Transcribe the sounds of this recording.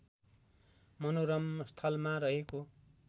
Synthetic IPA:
mʌnoɾʌmst̪ʰʌlmaɾʌɦeko

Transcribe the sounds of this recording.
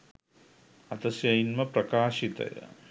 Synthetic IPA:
ɐt̪ɐsjɐjnmɐpɾɐkaːʃit̪ɐ̰jɐ̰

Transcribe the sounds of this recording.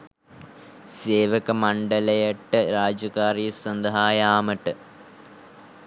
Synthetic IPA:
seːʋɐkɐmɐɳɖɐlɐjɐʈːɨɾaːd͡ʑɐkaːriːɐsɐnd̪ɐɦaːjaːmɐʈːɨ

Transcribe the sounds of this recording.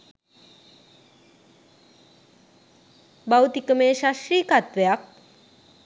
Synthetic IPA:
bawt̪ikəmeːʃasɾiːkat̪ʋejak̚

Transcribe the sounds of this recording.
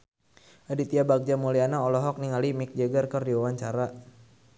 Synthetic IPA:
ʔadit̪iabak̚d͡ʒamulianaɔlɔɦɔk̚niŋalimik̚d͡ʒəɡarkərdiwawaɲt͡ʃaɾa

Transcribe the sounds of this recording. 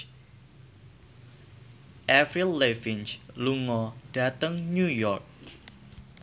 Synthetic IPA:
ʔɛfɾilːefint͡ʃluŋɔd̥a̤t̪əŋɲujɔrk̚

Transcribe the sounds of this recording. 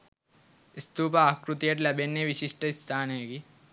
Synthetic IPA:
ist̪uːpaːkɾut̪ijɐʈlɐbenːeʋiʃiʂʈəist̪ʰaːnɦeːɡi

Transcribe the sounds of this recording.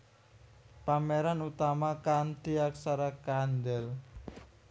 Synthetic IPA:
pameɾanut̪amakant̪iaksaɾakand̪ɛl

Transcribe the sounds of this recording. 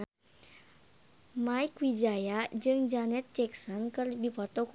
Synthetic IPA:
maikwid͡ʒajad͡ʒɨŋd͡ʒanɛt̪̚t͡ʃɛksɔnkərbipɔt̪ok

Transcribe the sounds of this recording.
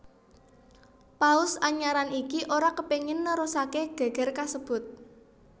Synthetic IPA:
paʊsaɲaɾanikiʔoɾakəpeŋɪnːəɾosakeɡ̥ä̤ɡ̥ɛ̤rkasəb̥ʊ̤t̪̚

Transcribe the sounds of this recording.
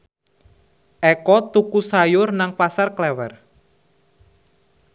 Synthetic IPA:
ʔɛkɔt̪ukusajʊrnaŋpasarklɛwɛr

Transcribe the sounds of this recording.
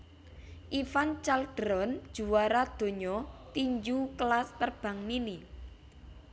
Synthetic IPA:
ʔifant͡ʃald̪̥ɾɔnd̥ʒ̥ṳwaɾad̪̥o̤ɲɔt̪iɲd͡ʒuklaspərb̥ä̤ŋnini

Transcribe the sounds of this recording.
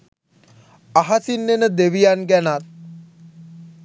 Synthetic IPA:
aɦasinːenəd̪eʋijanɡɛnat̪̚

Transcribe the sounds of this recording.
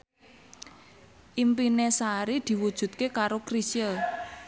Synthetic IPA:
ʔimpinesaɾid̪̥i̤wud̥ʒ̥ṳt̪̚kekaɾokɾisiəl

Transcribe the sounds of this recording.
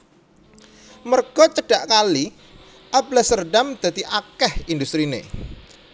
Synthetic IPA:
mərɡ̥ɔt͡ʃəɖ̥aʔkali | ʔab̚lasərɖamd̪̥a̤t̪iʔakɛhind̪ust̪ɾinḛ

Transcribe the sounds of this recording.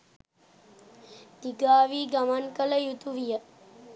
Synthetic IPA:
d̪̥iɡaːʋiːɡamankələjut̪uʋijə

